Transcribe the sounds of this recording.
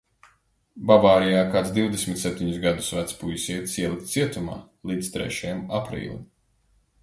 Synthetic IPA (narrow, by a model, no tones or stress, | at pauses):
bavaːɾijaːkaːt̪sd̪iwd̪esʲmʲit̪sɛp̚ʲt̪ʲiɲusɡad̪usvæt̪spujisiɛt̪siɛlˠikt̪siɛt̪uma̰ː | lˠiːd̪st̪ɾɛ̰ʃajamapɾḭːlʲˠḭ